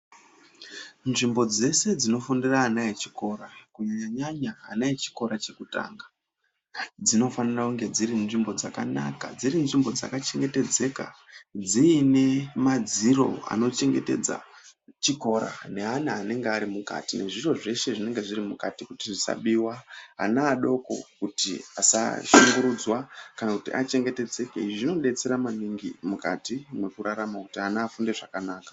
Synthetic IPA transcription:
nʐimbo̞d͡ze̞se̞d͡zino̞fondiraːnaet͡ʃiko̞ɾakuɲaɲaɲaɲaːnait͡ʃi̥ko̞ɾat͡ʃe̞kuta̰ːŋɡa | d͡zino̞fanirakuŋɡe̞d͡ziɾinʐimbo̞d͡zakana̰kad͡zirinʐimbo̞d͡za̰kat͡ʃe̞ŋɡe̞te̞d͡ze̞ka̰ | d͡ziːne̞mad͡ziro̞̰a̰no̞t͡ʃe̞ŋɡe̞te̞̰d͡za̰t͡ʃiko̞ɾa̰ne̞ɦanaane̞ŋɡeaɾimuka̰tine̞̰ʐiro̞ʐe̞ʃe̞ʐine̞ŋɡe̞ʐiɾimukatikutiʐisa̰ɓiwaɦa̰naːɗo̞ko̞̰kutiasa̰ʃuŋɡuɾud͡zwakanakutiʔa̰t͡ʃe̞ŋɡe̞te̞d͡ze̞kḛiʐiʐino̞ɗe̞t͡se̞ɾamaniŋɡimuka̰timwekuɾaɾamaku̥tiɦanaːfunde̞ʐakanaːkḁ

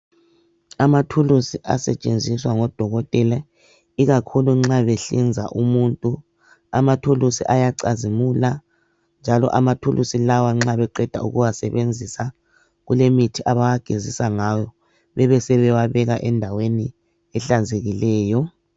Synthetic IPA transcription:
amatʰulusiʔa̰sɛ̰t͡ʃʼend͡zʱiswaŋɔd̥ʱɔɣɔtʼɛla | iɣakʰuluŋ͡ǁaβɛɬind͡zʱa̰ʔumuntʼu | a̰matʰulusḭʔajaǀazimula | nd͡ʒʱalɔ̰ʔamatʰulʔusilawaŋ͡ǁaβɛǃɛd̥ʱa̰ṵɣuwasɛ̰βend͡zʱisa | ɣulemitʰiʔaβawaɡ̥ʱezisaŋajɔ | βɛβɛsɛβɛwaβɛɣaʔɛndʱaweni | ɛɬanzʱeɣilɛːjɔ

